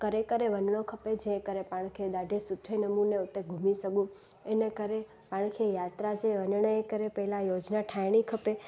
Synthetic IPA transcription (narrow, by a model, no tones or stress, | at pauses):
kəɾekəɾeʋənɳokʰəped͡ʒẽkəɾepãɽ̃kʰed̪aɖʱesʊd̪ʰʱːenəmuneut̪ːeɡʱumisəɡũ | enekəɾe | paɳ̃kʰejat̪ɾad͡ʒẽʋənɳəjekəɾepəɦlãjod͡ʒnaʈʰajɽ̃ikʰəpe